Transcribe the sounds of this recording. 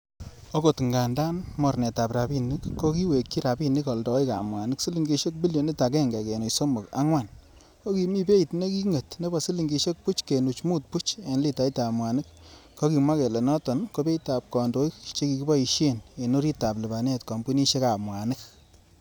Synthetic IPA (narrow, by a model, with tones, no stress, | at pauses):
o˦ko˨tŋɡa˨nda˦nmɔ˨ɾne˨ta˨pɾa˨bi˦ni˦kːo˦ki˦we˨kːi˦ɾa˨bi˦ni˦kɔ˨ldɔ˨i˦ka̰˨mwa˨nɪ˦ksi˦li˨ŋɡi˨ʃe˦k̚bi˦ljo˨ni˦ta˨kɛ˦ŋɡɛ˨ke˨nu˨jso˦mo˨ka̰˦ŋwa˦˨n | ko˦ki˨mi˦be˦jtne˦ki˦ŋe˨tne˦bɔ˨si˦li˨ŋɡi˨ʃe˦k̚pu˦t͡ʃke˨nu˨t͡ʃmu˦t̚pu˦t͡ʃe˨nli˦ta˨˦i˦ta˨mwa˨ni˦k̚ː | o˦ki˨mwa˦ke˨le˨nɔ˦tɔ˨nko˦be˦ta˨p̚kɔ˨ndo˦i˦kt͡ʃe˦ki˨ki˦bɔ˦i˨ʃe˦ne˨no˦ɾi˦ta˨plɪ˨ba˨ne˦tkɔ˨mbu˦ni˦ʃe˦ka˨mwa˨nɪ˦k